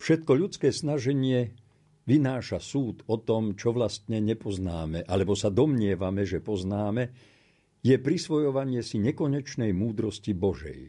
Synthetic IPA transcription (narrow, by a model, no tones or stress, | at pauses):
fʃɛt̪kɔʎut͡skɛːsnaʒɛɲɪɛ | ʋinaːʃasuːt̪ɔt̪ɔmt͡ʃɔʋlast̪ɲɛɲɛpɔznaːmɛʔalɛbɔsad̪ɔmɲɪɛʋamɛʒɛpɔznaːmɛ | jɛpɾisʋɔjɔʋaɲɪɛsiɲɛkɔɲɛt͡ʃnɛjmuːd̪ɾɔscibɔʒɛ̰j